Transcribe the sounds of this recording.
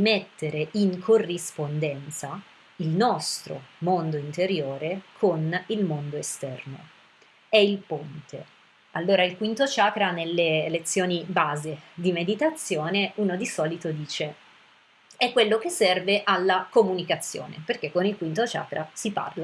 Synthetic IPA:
met̪ːeɾeiŋkʰorːispond̪ɛnt̪sa | ilnɔst̪ɾo̰mond̪oint̪eɾjoːɾekʰonilmond̪oest̪ɛ̰rno̰ | ɛilpont̪ʰe | alːoːɾailkwint̪ot͡ʃaːkɾanelːeːlet̪sːjoːnibaːzed̪imed̪it̪at̪sːjoːneuːnod̪isɔːlit̪od̪iːt͡ʃe | ɛkːwelːokesːɛrveʔalːakomunikat̪sːjo̰ːneperkekːonilkwint̪ot͡ʃa̰ːkɾasipa̰rla

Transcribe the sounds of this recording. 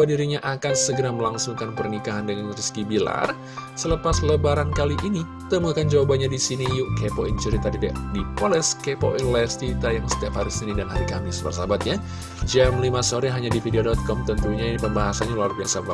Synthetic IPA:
wadiɾiɲaʔakansəɡəɾaməlaŋsuŋkanpərnikaɦandəŋanriskibila̰r | sələpasləbaɾankaliʔini | t̪əmukand͡ʒawabaɲadisinijuʔkepoint͡ʃəɾit̪adida̰dipolɛskepo̰ʔinlɛst̪it̪ajaŋsə̥t̪iaphaɾisinidanɦaɾikamɪsbə̰rsabat̪̚ɲa | d͡ʒɛmlimasoɾiɦaɲadifideodɔt̪̚kɔmt̪ənt̪uɲainipəmbaɦasanɲalaldərsaba̰t̪

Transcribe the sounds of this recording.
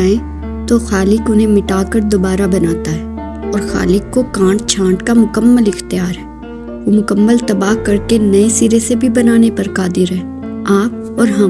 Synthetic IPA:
ẽ | t̪oxaːlɪkʊnɦẽmɪʈaːkəɾd̪oːbaːɾabɐnaːt̪aɦɛː | ɔːɾxa̰ːlɪkːokãːɳɖt͡ʃʰãːɳʈkamʊkəmːəlɪxt̪ɪjaːɾɦɛː | ʋomʊkəmːəlt̪ɐbaːɦkɐɾkenɐesiɾesebʱibɐnaːnepɐɾkaːd̪ɪɾɦɛː | aːp̚ | ɔːɾɦɐ̃m

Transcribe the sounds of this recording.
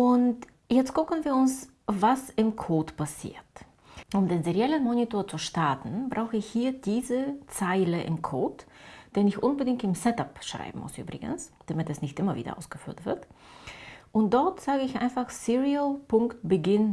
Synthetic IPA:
ʔʊnt | jɛt͡stɡ̥ʊkn̩viːɐʊns | vasɪmkʰoːtpʰasḭːɐt | ʔʊmdeːnzeʁjɛlənmonitoːɐt͡suʃtaɐtn̩bʁaʊxəɪçhiːɐdiːzət͡saɪləʔɪ̰mkʰoːtd̥eːnɪçʔʊnbədɪŋk̚tɪmsɛtapʃʁ̥a̰ɪbm̩mʊ̰sʔy̰ːbʁɪ̰ɡə̰nsd̥amɪtɛsnɪçtʔɪmɐvḭːdɐ̰ʔa̰ʊsɡ̥əfyːɐtv̥ɪɐt | ʔʊnt̚d̥ɔɐtz̥aːɡəɪçʔa̰ɪnfaχsiʁiəlpʰʊŋkt̚b̥əɡɪn

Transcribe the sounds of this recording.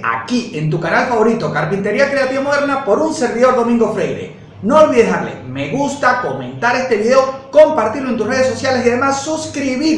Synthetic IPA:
a̰kie̞nt̪̬ukanalfaβo̞ɾit̪o̞kaɾpint̪e̞ɾiakɾe̞at̪iβamo̞ð̞eɾnapo̞ɾunse̞ɾβiðo̞ɾðo̞mĩŋɡo̞fɾejɾḛ | no̞ːlβiðesaɾlḛme̞ɣust̪ako̞mẽ̞̰nt̪aɾe̞st̪e̞βiðeo̞ko̞mpaɾt̪iɾloe̞nt̪̬usre̞ðesːo̞sjalesiaðe̞masːuskɾiβi

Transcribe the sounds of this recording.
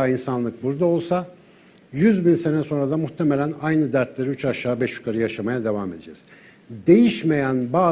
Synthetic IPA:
ainsanlˠɯk̚buɾd̪ao̞lˠsa | jyzbinse̞nɛso̞nɾad̪amuxt̪ʰemelʲænajnɯd̪æɾt̪lʲeɾyt͡ʃaʃaːbɛʃjy̥kʰaɾɯjaʃamajad̪e̞vame̞d̪ed͡ʒɛ̰z̥ | d̪e̞jiʃme̞jænbaː

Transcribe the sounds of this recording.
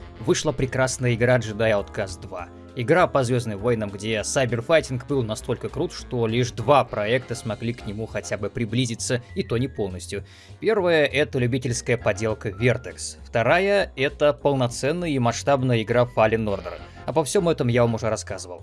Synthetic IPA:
vɨʂlˠapɾʲɪkɾasnəjəɪɡɾaʐɨd̪ajɐʊt̪kasd̪va | ɪɡɾapɐzvʲo̞znɨmvojnəmɡdʲe̞sajbʲɪrfajtʲɪnkbɨlˠnɐst̪o̞lʲkəkɾut̪ʂt̪olʲiʐd̪vapɾɐɛkt̪əsmɐɡlʲiknʲɪmuxɐtʲabɨpɾʲɪblʲizʲɪt̪səit̪onʲɪpo̞lˠnəsʲtʲjʊ | pʲe̞rvəjəʔɛt̪əlʲʉbʲitʲɪlʲskəjəpɐdʲe̞lˠkəvʲert̪əksft̪ɐɾajəɛt̪əpəlˠnɐt̪sɛnːəjəimɐʂt̪abnəjəɪɡɾafalʲɪnːo̞rd̪ə̰r | ɐpɐfsʲo̞mɛt̪əmjavɐmʊʐɛɾɐskazɨvə̰lˠ

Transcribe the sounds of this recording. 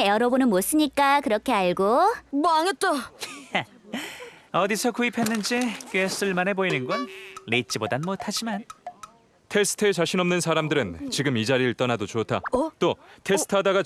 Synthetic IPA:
jʌɾʌbonɯnmos͈ɯɲik͈akɯɾʌkʰe̞aɭɡobaŋet̪͈ʌ | ʌdisʰʌkuipʰe̞nːɯnd͡ʑikɥwes͈ɯɭmanɦe̞boinɯnɡʌnːeit͡ɕ͈ibodanmotʰad͡ʑiman | tʰe̞sʰɯ̥tʰet͡ɕaɕʰinʌmnɯnsʰaɾamdɯɾɯnt͡ɕiɡɯmid͡ʑaɾiɾɯɭt͈ʌnadot͡ɕotʰa̰t͈otʰe̞sɯ̥tʰadaɡa

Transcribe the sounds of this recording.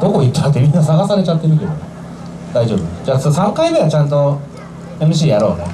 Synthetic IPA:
d̪̥oko̞it̪ːat̪ːemʲinːasaɡasaɾe̞t͡ɕat̪ːe̞ɾɯ̟k̬ʲe̞d̪one | d̪aiʑo̞ːbɯ̟nd͡ʑaːssãŋkaimeat͡ɕãnt̪̬o̞ | e̞mɯ̟ɕ̬iːjaɾo̞̰ːne

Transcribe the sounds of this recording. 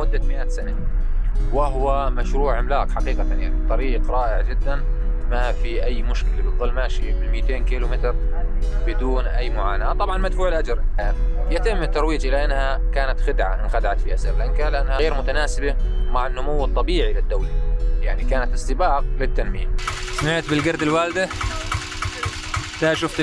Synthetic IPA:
mʊd̪ːat̪mɪʔaːt̪sana | wɪɦwamaʃɾuːʕɪmlaːkħɑqiːqat̪anja̰ʕnibt̪ˤːɑɾiːqɾˤɑːʔɪʕd͡ʒɪd̪ːanmafiʔajːmʊʃkɪlabɨðˤːɨlːmaʃibɪlmɪːt̪eːnkiːlʊmɪt̪ɾbɪd̪uːnʔajːmʊʕaːnaːt̪ˤɑbʕɑnmad̪fuːʕɪlʔad͡ʒɾajat̪ɪmːɪt̪ːɑɾˤwiːd͡ʒʔɪlaʔɪnːhakaːnat̪xɪd̪ʕa̰ʔɪnxad̪aʕat̪fihasɪɾlʔɪnkalɪʔanːhaɣeːɾmʊt̪anaːsɪbamaʕanːʊmuwːɨt̪ˤːɑbiːʕilɪd̪ːawlajaʕnikaːnat̪ɨsˤt̪ɨbɑːq̚lɪt̪ːanmḭːmsmɪʕt̪bɪlɡɑɾd̪ɪlwaːld̪a | t̪aʃʊft̪

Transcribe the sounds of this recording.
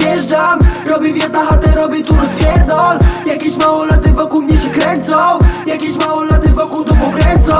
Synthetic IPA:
ɛʒdamɾɔbʲivʲjɛɾt̪aɦat̪ɛɾɔbʲit̪uɾɔzvʲjɛɾd̪ɔljakʲiɕmawɔlat̪ɪvɔkulmɲɛɕɛkɾɛsɔwjakʲiɕmawɔlat̪ɪvɔkult̪ɔpɔkɾɛzɔ

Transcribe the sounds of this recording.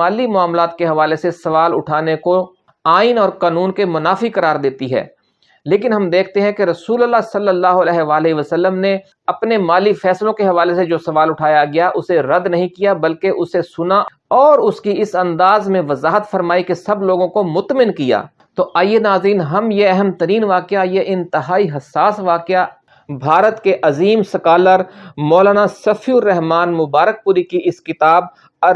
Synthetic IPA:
aːlimʊaːmlaːt̪̚keɦɐʋaːlesesɐʋaːlʊ̰ʈʰaːneko | aːɪnɔːɾqaːnuːnkemʊnaːfikɐɾaːɾd̪eːt̪iɦɛ̰ː | leːkɪnɦɐmd̪eːk̚ʰt̪eɦɛ̃keɾɐsuːləlːasɐlːəlːaːɦoɐlɛːɦʋaːlɦiʋɐsəlːəmne | ɐpnemaːlifɛːslõkeɦɐʋaːlesed͡ʒoːsɐʋaːlʊʈʰaːjaɡɐjaʔʊseɾɐd̪nɐɦĩkijabɐlkeʔʊsesʊnaʔ | ɔːɾʊskiɪsɐ̃nd̪aːzmẽʋɐzaːɦət̪fɐɾmaːikesɐbloːɡõkomʊt̪mɪnkija̰ː | t̪oːʔaːjenaːzɾiːnɦɐmjeɛɦɛmt̪ɐɾiːnʋaːkɪajeʔɪ̃nt̪ɪɦaːiɦɐsːaːsʋaːkɪja | bʱaːɾət̪keʔɐziːmsɐkaːləɾmɔːlaːnasɐfiʊɾːɛɦmaːnmʊbaːɾək̚puːɾikiʔɪskɪt̪aːb̚ | ɐɾ

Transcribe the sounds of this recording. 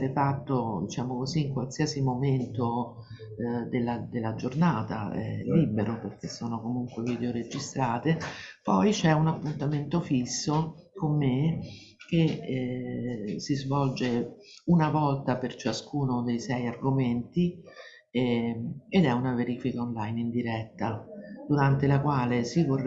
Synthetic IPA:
ɾefat̪ːod̪it͡ʃaːmokoziːŋkwalsiasimoment̪o | d̪elːad̪elːad͡ʒornaːt̪a̰ɛ̰lːiːbeɾoperk̟esːoːnokomuŋkweviːd̪eoɾed͡ʒist̪ɾaːt̪epɔjt͡ʃɛunapːunt̪ament̪ofisːo | komːe | k̟e | sizvɔld͡ʒe | unavɔlt̪apert͡ʃaskuːnod̪ejsɛjarɡoment̪i | ed̪ɛunaveɾiːfikaonlajnind̪iɾɛt̪ːad̪̥uɾant̪elakwaːlesivor

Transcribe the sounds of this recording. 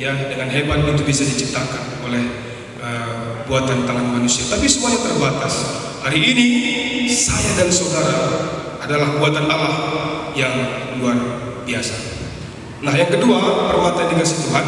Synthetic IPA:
jadəŋanɦemanit̪ubisadit͡ʃip̚t̪akan | olɛh | əbuat̪ant̪aŋanmanusiat̪apisumajat̪ərbat̪as | haɾiːni | sajadansodaɾa | adalahbuat̪analahjaŋuluan | biasa | nahjaŋkəduapərwat̪aneɡasit̪uɦan

